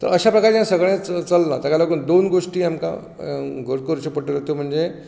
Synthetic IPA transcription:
t̪ə̰ɾəɕapɾəkaɾd͡ʑẽsəɡɭ̃ẽt͡st͡səlnat̪akaloɡuːnd̪onɡoʂʈiːamka̰ | ɡʱoɾkoɾt͡ɕepəʈeɾot̪om̤əɳd͡ze

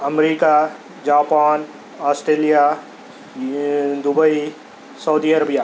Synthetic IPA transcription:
əmɾiːka | d͡ʒaːpaːn | aːsʈɾeːlija | d̪ʊbəi | sɐwd̪iəɾəbija

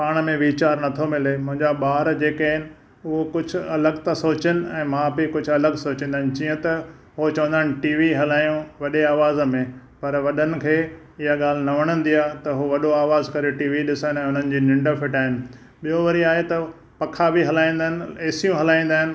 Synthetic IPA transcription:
paːɽ̃mẽʋiːt͡ɕaːɾnɐt̪ʰomɪlemʊ̃ɦɪ̃ɲd͡ʑaɓaːɾd͡ʑeːkaɦɪnɪ̆ | ʊɦokʊd͡ʑʱʊ̆ɐləɡt̪ɐsoːt͡ɕənɪ̆ɛ̃ːmãbikʊd͡ʑʱʊɐləɡsoːt͡ɕĩnd̪aːɪnɪd͡ʑiːə̃t̪ɐ | ɦot͡ɕɐʋə̃nd̪aɦɪnɪ̆ʈiːʋiɦɐlaːjũʋɐɗeaːʋaːzmẽ | pɐɾʋɐɗənɪ̆kʰeː | ɪɦaɠaːl̤ɪnɐʋɐɽ̃ə̃nd̪ijaːt̪ɐɦoʋɐɗoaːʋaːzkɐɾeʈiːʋiɗɪsənɛ̃ːʊn̤ənɪ̆d͡ʑiːnɪ̃ɳɖəfʰɪʈaːɦɪnɪ̆ | ɓijoʋɐɾiaːɦet̪ɐ | pɐkʰabiɦɐlaːĩːnd̪aɦɪnɪ̆eːsijũɦɐlaːĩn̆d̪aːɦɪnɪ̆

